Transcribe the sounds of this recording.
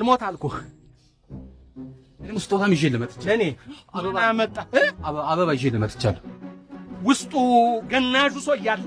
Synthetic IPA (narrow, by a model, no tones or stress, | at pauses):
lmot̪ʰalku | ɨnemust̪ʼot̪ʰamɪʒeləmət̪ʼɨ̥t͡ʃːɨneaajamət̪ʼːaaβəβajɪʒelːəmət̪ʼɨ̥t͡ʃːal | wʊst̪ʼuɡənːaʒusoɨjːalː